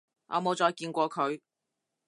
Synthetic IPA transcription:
ŋɔ̰ː˨˧mo˨˧wt͡sɔː˨˧jkiː˧nkʷɔː˧kʰɵ˨˧ɥ

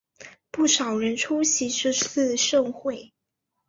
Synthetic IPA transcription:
pu˥˩ʂɑ˨˩ʊɻə˧˥nʈ͡ʂʰu˥ɕi˧˥ʈ͡ʂɻ̩˥˧t͡s̩˥˧ʂɤ˥˧ŋxwe˥˩ɪ

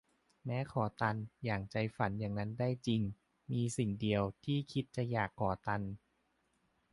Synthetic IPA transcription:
mɛː˦˥kʰɔː˩˦t̪a˧njaː˨˩ŋt͡ɕa˧jfa˨˩˦njaː˨˩ŋna˦˥ndaː˥˩jt͡ɕi˧ŋ | miː˧si˨˩ŋdi˧əwt̪ʰiː˥˩kʰi˦˥t̪̚t͡ɕa˨˧˩jaː˨˩kʰːɔː˨˩˦t̪a˧n

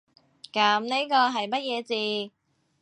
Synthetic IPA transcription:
kɐ˨˥mne˥kɔː˧ɦɐ˨jmɐ˥t̚jɛː˨˧t͡siː˨˧

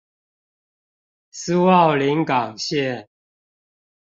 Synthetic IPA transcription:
sɨ˦wɑ˥˨ʊli˨˦ŋka˨˩ŋɕɛ˥˨n

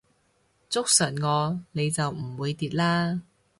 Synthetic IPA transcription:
t͡sʊ˥k̚sɐ˨˩nŋɔː˨˧ne˨˧jt͡sɐ˨wm̩˨˩wuː˨˧jt̪iː˨t̚laː˥

